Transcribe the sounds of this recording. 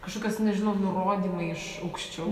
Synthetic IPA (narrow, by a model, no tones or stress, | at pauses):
kɐʃkoːkʲosnʲɛʒʲɪnoːmnʊɾoːd̪ʲiːmɐɪʃ | ɐʊkʃʲt͡ʃʲɛ